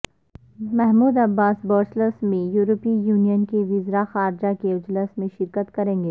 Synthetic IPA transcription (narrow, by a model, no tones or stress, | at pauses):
mɛɦmuːd̪ɐbːaːsbɔːɾsləsmẽjuːɾəpijuːnijənkeʋɪzɾaxaːɾd͡ʒakeɪd͡ʒləsmẽʃɪɾkət̪kɐɾẽːŋɡeː